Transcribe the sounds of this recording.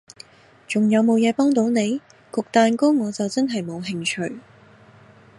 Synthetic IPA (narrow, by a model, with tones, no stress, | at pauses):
t͡ʃʊ˨ŋjɐ˨˧wmo˨˧wjɛː˨˧pɔː˥ŋt̪̬o˨˥wne˨˧j | kʊ˨k̚t̪aː˨˧nkʊ˥ŋɔː˨˧t͡sɐ˨wt͡sɐ˥nɦɐ˨jmo˨˧wɦɪ˧ŋt͡ʃʰɵ˨ɥ